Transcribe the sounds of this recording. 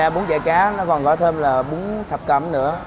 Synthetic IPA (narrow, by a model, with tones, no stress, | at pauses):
aː˨˩ɓu˨˦nzɛ̰ː˧˩kaː˨˦nɔ˨˦kɔ˨˩nkɔ˨˦t̪ʰe˧mlaː˨˩ɓʊ˨˦ŋt̪ʰə˨˩p̚kə̰˧˩mnɨ̰˧˥ə